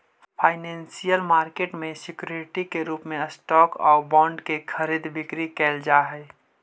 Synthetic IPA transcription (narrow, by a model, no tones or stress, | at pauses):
pʰaːɪnɛ̃ːnsijəlmaːɾkeːʈmẽsɪkjoɾɪʈikeɾuːpmẽəsʈɔːkɔ̰ːɾbɔ̃ːɳɖkekʰəɾiːd̪bɪkɾikɛːld͡ʒaːɦɛː